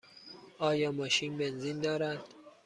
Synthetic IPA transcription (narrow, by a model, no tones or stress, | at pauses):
ɒːjɒːmɒːʃiːnbe̞nziːnd̪ɒːɾæd̪̥